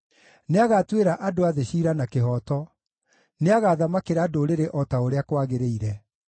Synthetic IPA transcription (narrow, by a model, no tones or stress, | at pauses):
neaɣatweɾaʔadoaðeɕiːɾanakeɦɔtɔ | neaɣaːðamakeɾaːdoɾeɾeʔɔtaoɾeakwaɣeɾeiɾɛ